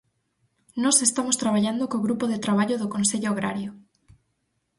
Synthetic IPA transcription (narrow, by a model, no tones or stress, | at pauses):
nɔsest̪amost̪ɾaβaʎand̪okoɣɾupoðet̪ɾaβ̞aʎoðokõnseʎoaɣ̞ɾaɾjo